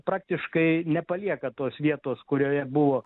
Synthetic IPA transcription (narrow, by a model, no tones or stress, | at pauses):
pɾɑːk̚t̪ʲɪʃkɐɪnʲɛpɐlʲiɛkɐt̪oːsʋʲiɛt̪oːskʊɾʲoːjɛbʊʋoː